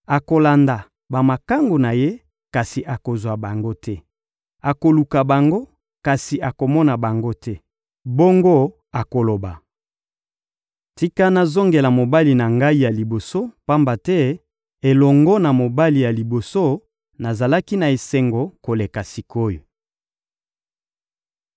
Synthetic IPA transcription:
a˨ko˨la˨nda˨ | ba˨ma˨ka˦ŋɡo˨na˨je˦ | ka˨si˨ʔa˨ko˨zwa˨ba˨ŋɡo˦tʰɛ˦ | a˨ko˨lu˨ka˨ba˨ŋɡo˦ | ka˨si˨ʔa˨ko˨mɔ˦na˨ba˨ŋɡo˦tɛ˦ | bo˦ŋɡo˦ | a˨ko˨lo˨ba˨ | ti˦ka˦na˨zo˦ŋɡe˨la˨mo˨ba˦li˨na˨ŋɡa˦i˦ja˨li˨bo˨so˦pa˦mba˨tɛ˦ | e˨lɔ˨ŋɡɔ˦na˨mo˨ba˦li˨ja˨li˨bo˨so˦ | na˨za˨la˦ki˦na˨e˨se˨ŋɡo˨ko˨le˨ka˨si˨ko˦jo˨

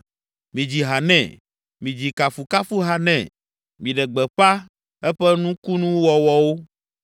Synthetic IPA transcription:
mĩ˨d͡ʑi˨ɦa˨nɛ̰̃˨ | mĩ˨d͡ʑi˨ka˨fu˨ka˦fu˦ɦa˨nɛ̰̃˨ | mĩ˨ɖɛ˨ɡ͡bɛ˨ɸa˦ | ɛ˦ɸɛ˦nũ˦ku˦nũ˦wɔ˨wɔ˦wo˦

